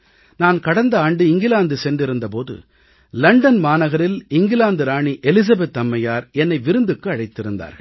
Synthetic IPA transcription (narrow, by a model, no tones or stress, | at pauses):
naːnkɐɽɐnd̪ɐaːɳɖɯɪŋɡɪlaːnd̪ɯsɛndɪɾɯnd̪ɐpoːðɯ̰ | lɐɳɖɐnmaːnɐɣɐɾɪlɪŋɡɪlaːnd̪ɯɾaːɳiʔɛlɪs̬ɐbɛt̪ːɐmːɐjaːɾɛnːɐɪʋɪɾɯnd̪ɯkːɯɐɻɐɪt̪ːɪɾɯ̰nd̪a̰ːɾɣɐɭ